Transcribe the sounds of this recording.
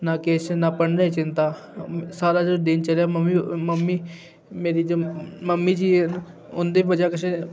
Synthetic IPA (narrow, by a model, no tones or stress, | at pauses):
naːkeːsenapəɳnət͡ʃɪ̃nt̪aː | saːɾaːd͡ʒoːd̪ɪnt͡ʃəljaːməmːiməmːiː | meːɾiːd͡ʒoːməmːiːd͡ʒiː | ʊnd̪eːbəd͡ʒaːkɪt͡ʃe